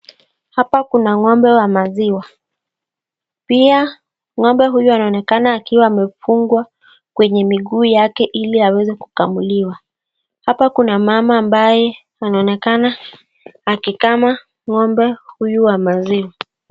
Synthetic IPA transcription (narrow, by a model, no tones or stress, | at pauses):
hapakunaŋɔmbɛwamaziwa | pia | ŋɔmbɛɦujuanaɔnɛkanaːkiwaːmɛfuŋɡwa | kwɛɲɛmiɠuːjakɛʔiliawɛzɛku̥kamuliwa | hapakunamamaːmbajɛ | anaɔnɛkanaː | kikama | ŋɔmbɛhujuwamaziwa